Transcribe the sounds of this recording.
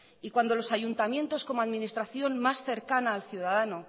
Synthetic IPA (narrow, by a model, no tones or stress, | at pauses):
ikwand̪o̞lo̞saʝunt̪amje̞nt̪o̞sko̞moaðminist̪ɾaθjo̞nmasθe̞ɾkanaːlθjuðaðano